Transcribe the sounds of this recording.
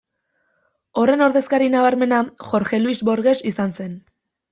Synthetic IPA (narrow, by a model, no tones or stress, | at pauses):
o̞re̞no̞ɾðe̞skaɾinaβ̞aɾme̞naxo̞ɾxe̞luizβo̞ɾɣe̞sisanse̞n